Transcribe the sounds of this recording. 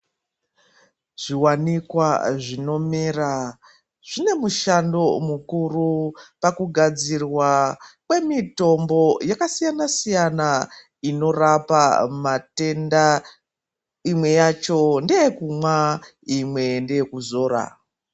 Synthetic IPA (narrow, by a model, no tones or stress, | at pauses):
ʐ̥iwanikwaʐino̞mira | ʐ̥ine̞muʃando̞mukurupakuɡʱad͡zirwakwe̞mito̞mbo̞jakasijanasijana | ino̞rapamate̞nda | imwe̞jat͡ʃo̞ndeekumwa | imwe̞ndeekuzo̞ːɾa̰